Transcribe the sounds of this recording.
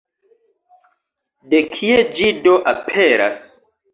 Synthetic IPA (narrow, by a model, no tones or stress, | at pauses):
de̞kʰied͡ʒidoʔapʰe̞ɾa̰s